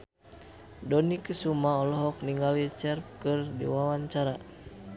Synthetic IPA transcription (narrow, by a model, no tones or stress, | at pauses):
dɔnikəsumaɔlɔɦɔk̚niŋɡalit͡ʃɛrp̚kɨrdḭwawaɲt͡ʃaɾa